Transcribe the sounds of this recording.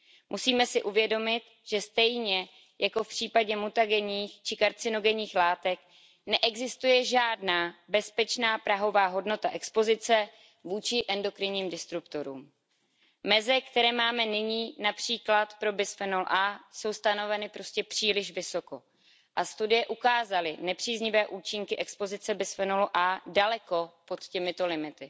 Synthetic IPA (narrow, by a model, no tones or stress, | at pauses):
mʔusiːmɛsɪʔuvjɛdo̞mɪt̪ | ʒ̥ɛst̪ɛjɲɛ | jako̞fpr̥iːpaɟɛmut̪aɡɛɲiːxt͡ʃɪkaɾt͡sɪno̞ɡɛɲiːxlaːt̪ɛk | nɛʔɛɡzɪst̪ujɛʒaːdnaːbɛspɛt͡ʃnaːpɾaɦo̞vaːɦo̞dno̞t̪aʔɛkspo̞zɪt͡sɛ | vuːt͡ʃɪʔɛndo̞kɾɪɲiːmdɪst̪ɾupt̪o̞ɾṵːm | mɛzɪkt̪ɛɾɛːmaːmɛnɪɲiːnapr̝̥iːklat̪pɾo̞bɪsfɛnol̰ʔaːso̞wst̪ano̞vɛnɪpɾo̞scɛpr̥iːlɪʃvɪso̞ko̞ | ʔast̪udɪjɛʔukaːzalɪnɛpr̝̥iːzɲɪvɛːʔuːt͡ʃɪŋkɪʔɛkspo̞zɪt͡sɛbɪsfɛnoluʔaːdalɛko̞po̞t̪cɛmɪt̪o̞lɪmɪt̪ɪ